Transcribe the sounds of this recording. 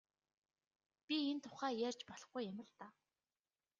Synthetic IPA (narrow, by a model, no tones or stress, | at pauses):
pʲient̪ʰʊ̥χæːjærʲt͡ɕpɔɮɞ̆χɡujːæmʲɪ̆ɮt̪aː